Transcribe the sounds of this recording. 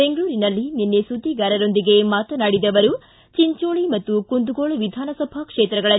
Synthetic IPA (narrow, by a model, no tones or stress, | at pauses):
be̞ŋɡɐɭuːɾinɐlːinenːesud̪iɡaːɾɐɾo̞nd̪iɡe̞maːt̪ɐnaːɽid̪ɐʋɐɾu | t͡ʃiɲt͡ʃoːɭimɐt̪ːukund̪uɡoːɭɐʋid̪ʱaːnɐsɐbʱakʂeːt̪ɾɐɡɐɭɐ